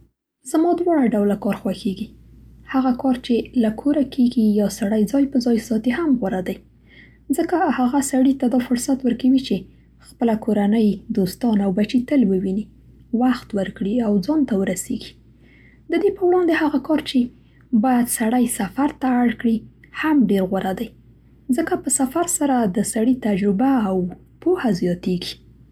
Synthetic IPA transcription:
zmɑd̪wɑɽaɖawlakɑɾxwaxeɡi | haɣakɑɾt͡ʃelakʰoɾakʰeɡijɑsaɽajd͡zɑjpəzɑjsɑt̪ehamɣəɾad̪aj | zəkahaɣasaɽit̪ad̪ɑfʊɾsat̪wəɾkawit͡ʃe | xpəlakoɾanəjd̪ost̪ɑnawbat͡ʃit̪əlwəwini | waxt̪wəɾkɽiawd͡zɑnt̪awəɾaseɡi̥ | d̪əd̪epəwɽɑnd̪ehaɣakɑɾt͡ʃe | bɑjad̪saɽajsafaɾt̪aːɽkɽi | hamɖeɾɣwaɾad̪aj | zəkapəsafaɾsaɾad̪əsaɽit̪ad͡ʒɾɪbaːw | pohazjɑt̪eɡi̥

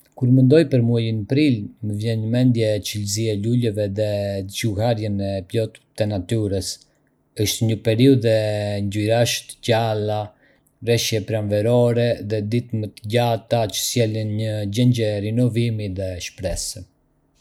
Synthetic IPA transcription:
kuɾmənd̪ɔjpəɾmuajinpɾilməvjɛnɲəmɛnd̪jɛːt͡ʃəlziɛlulɛvɛðɛt͡ʃuhaɾjɛnɛplɔt̪t̪ɛnat̪yɾəs | əʃt̪ɲəpɛɾiuðɛɲɟuɾaʃt̪cala | ɾɛʃjɛpɾanvɛɾɔɾɛðɛd̪it̪mət̪əɟat̪at͡ʃə̥sjɛlinɲəɟɛɲɟɛɾinɔvimiðɛʃpɾɛsə

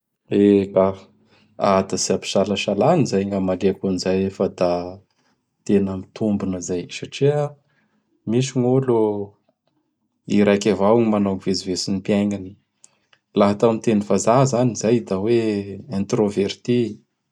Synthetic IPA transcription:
eba | at̪əsiapi̥ʃalaʃalanizajŋamaleakunizajefəd̪a | t̪enəmit̪umbunəzajsaʈ͡ʂia | misiŋolo | iɾajkʲavawŋmanoŋivezivesinipiajŋani̥ | laɦat̪amit̪enivazaɦzanizajd̪aweẽnt̪roveɾt̪i

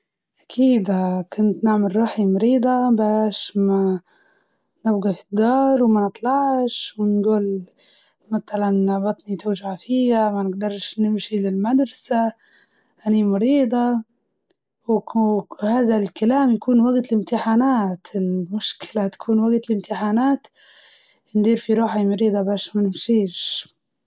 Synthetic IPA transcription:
ʔakʰiːd̪akʊnt̪nɪʕmalɾɑːħimɑɾiːd̪ˤɑbaːʃma | nɪbɡafid̪ːɑːɾˤwmanɨt̪ˤlɑʕʃwɪnɡuːl | mat̪alanːaʕbɑt̪ˤnit̪ʊʒaʕfiːamanɪɡd̪ɑɾˤʃnɪmʃilɪlmad̪ɾˤɑsa | ʔanimɑɾiːd̪ˤɑ | w | haːðalkalaːmjakuːnwaɡt̪lɪmt̪ɪħaːnaːt̪ʰɪlmʊʃkɪlat̪ḁkʰuːnwaɡt̪lɪmt̪ʰɪħaːnaːt̪ | nd̪iːɾfiɾuːħimɑɾiːd̪ˤɑbaːʃmanɪmʃiːʃ

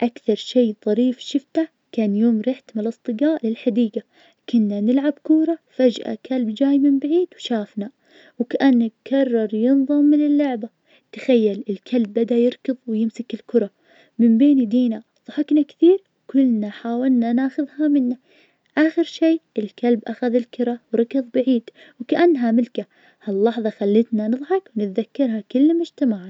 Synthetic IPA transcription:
ʔakθɑɾˤʃeːðˤɑɾiːfʃɪft̪a | kaːnjoːmɾɪħt̪mɪlʔɨsˤt̪ˤɨɡaːʔlɪlħad̪iːɡa | kʊnːanɪlʕabkuːɾˤɑfad͡ʒʔa̰kʰalbd͡ʒaːjmɪmbaʕiːd̪wʃaːfna | wkaʔanːakʰɑrˤːɑɾˤjɨnðˤɑmːɪnɪlːʊʕba | t̪ḁxajːalɪlkʰalbːad̪ajɪɾkɨðˤwjɪmsɪkɪlkʊɾˤɑ | mɪmbeːnid̪iːna | ðˤʊħɪknakθiːɾwkʊlːnaħaːwɪlnanaːxʊðhamɪnːa | ʔaːxɪɾʃeːɪlkalbʔaxaðɪlkʊɾˤɑwɾˤɑkɨðˤbaʕiːd̪ | wkaʔanːɦamɪlka | halːɑħðˤɑxalːɪt̪nanɨðˤħɑkwnɪt̪ðakːɑɾˤhakʊlːmʊd͡ʒt̪amaʕ

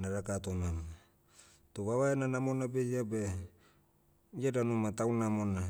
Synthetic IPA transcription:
naɾakat̪onama | t̪oβaβaenanamonabejabe | jadanumat̪awnamona

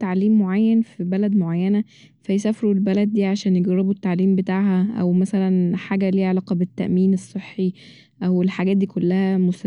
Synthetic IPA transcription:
t̪ːaʕliːmːoʕajːænfibælæd̪moʕajːænæ | fæjesæːfeɾuelbælæd̪̚ːiːʕaʃæːnjeɡɑɾebut̪ːaʕliːmbet̪aːʕhæʔæ̰wmæsælænħaːɡæliːʕelæːqɑbet̪ːæ̰ʔmiːnesˤːeħːi | ʔæwelħaɡæːt̪̚d̪iːkolːæhæmosæ

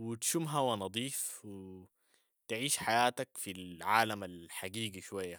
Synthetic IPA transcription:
wit̪ʃumɦawanɑd̪ˤiːfwi | t̪ʕiːʃħajaːt̪akfilʕaːlamalħaɡiːɡiʃwajːa

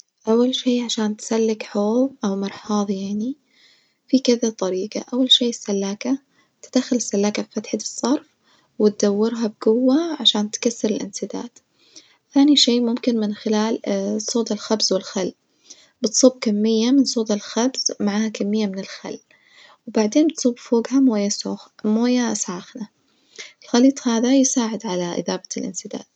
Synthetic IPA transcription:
ʔawːalʃiːʕaʃaːnt̪salːɪkħoːðˤʔawmɑɾˤħɑːðˤjaʕni | fikɪðat̪ˤɑɾiːqa̰ʔawːalʃiːɪsːalːaːka | t̪ɪd̪̥axɪlɪsːalːaːkabfat̪ħɪd̪ɨsˤːɑɾˤf | wɪt̪̚d̪awːɪɾɦab̚ɡʊwːaʕaʃaːnt̪kasːɪɾɪlʔɪ̰nsɪd̪a̰ːd̪ | θaːniʃeːmʊmkɪnmɪnxɪlaːlsˤoːt̪ɪlxabzwɪlxalː | b̥ɪt̪sˤuːb̚kamːɪjːamɪnsˤoːt̪ˤɪlxabz̥maʕaːhakamːɪjːamɪnɪlxa̰lː | wbaʕd̪eːnt̪sˤubfoːɡhamoːjamoːjasʕaːxna | ɪlxaliːt̪ˤhaːðajɪsaːʕɪd̪ʕalaʔɪ̰ðaːbaɪlʔɪ̰nsɪd̪a̰ːd̪̥̚

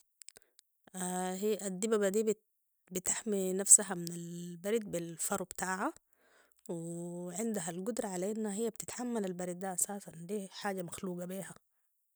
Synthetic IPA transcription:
ahiʔad̪ːibabad̪iː | bit̪aħminafsaɦamɪnalbaɾid̪̚bilfɑɾˤbt̪aːʕa | wɪʕɪnd̪aɦalɡʊd̪ɾˤɑʕalaʔinːhaɦijːab̚t̪ɪt̪ħamːalalbaɾid̪̚d̪aʔasaːsand̪iːħaːɟamaxluːɡabiːha

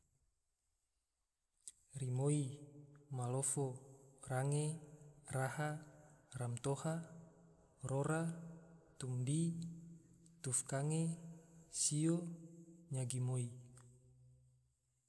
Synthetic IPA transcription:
rimoi | maloforaŋeraharamt̪oha | roɾa | t̪umdi | t̪ufkaŋe | sio | ɲaɡimoi

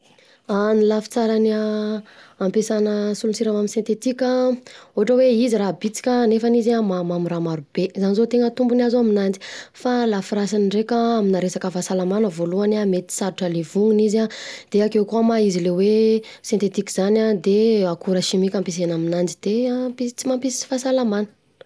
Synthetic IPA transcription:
anilafi̥t͡saɾanaː | mpesanəsulunsiɾamaminsẽnt̪et̪ikʲauɦaʈ͡ʂəweiziɾabit͡si̥kʲanefanizamamamiɾamaɾub̥ezanizot̪eŋət̪umbuniazoaminand͡zi̥falafiɾasaniɳɖ͡ʐekʲaaminaɾesakəfasalamanəvoluanamet̪i̥saɾuʈ͡ʂəlevuŋinizad̪̥eakewkuamaizilewe | sẽnt̪et̪ikʲizanad̪eakuɾəʃimikʲampes̬enaminand͡ʒid̪̥empit͡simampisi̥fasalamanə̥

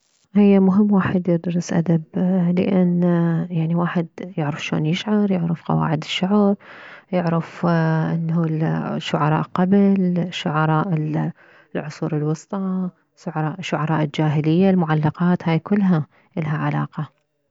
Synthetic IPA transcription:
hɪjːamʊɦɪmːwaːħɪd̪jɪd̪ɾˤɨsʔa̰d̪ablɪ̰ʔanjaʕniwaːħɪd̪jɪʕɾɑfʃo̰ːnjɪʃʕɑɾˤjɪʕɾɪfqɑ̰wa̰ːʕɪd̪ɪ̥ʃːʊʕɾjɪʕɾɪfʔɪnːulʃːʊʕɑɾˤɑ̰ːʔqɑblʃːʊʕɑɾˤɑːʔɪ | lʕʊsˤuːɾɪlwɑsˤt̪ˤɑ | ʃʊʕɑɾˤɑːʔʃːʊʕɑɾˤɑːʔɪld͡ʒaːɦɪlɪjːalmʊʕalːɑqɑːt̪haːjkʊlːɦa | ʔɪlɦaʕalɑ̰ːqɑ

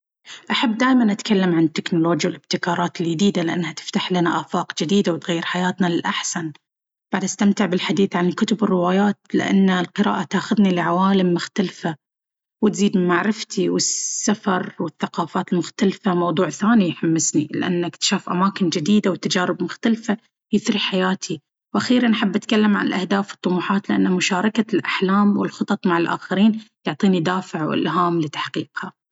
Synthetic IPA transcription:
ʔaħabːd̪aːjmanʔat̪kʰalːamʕanɪt̪ːɪknʊloːd͡ʒjawɪlʔɪb̚t̪ɪkɑːɾˤɑːt̪ɪld͡ʒɪd̪iːd̪alɪʔanːhat̪ɪ̥ft̪aħlanaʔaːfɑːqd͡ʒɪd̪iːd̪awɪt̪ɣajːɪɾħajaːt̪nalɪlʔaħsan | b̥aʕd̪ʔast̪amt̪ɪʕbɪlħad̪iːθʕankʊt̪ʊbɪrːɪwaːjaːt̪lɪ̰ʔa̰nːalqɨɾa̰ːʔat̪aːxʊðnilɪʕawaːlɪmːʊxt̪alfa | wɪt̪ziːd̪mmːaʕɾɪft̪ʰiwɪsːafɑɾˤwɪθːaqɑːfaːt̪ɪlmʊxt̪alfamɑwðˤuːʕθaːnijħamːɪsnilɪ̰ʔa̰nːakt̪ʃaːfʔamaːkɪnd͡ʒɪd̪iːd̪awt̪ːad͡ʒaːɾɪbmʊxt̪alfa | jɪθɾiħajaːt̪ʰi | wʔaxiːɾanħɪbːʔat̪kalːamʕa̰nɪ̰lʔahd̪aːfɨt̪ˤːʊmuːħaːt̪lɪʔanːhamʊʃaːɾˤɑkalʔaħlaːmwɪ̰lxʊt̪ˤɑt̪ˤmaʕalʔa̰ːxaɾiːnjʊʕt̪ˤiːnid̪aːfɪʕwɪ̰lɦaːmlɪt̪ḁħqiːqha

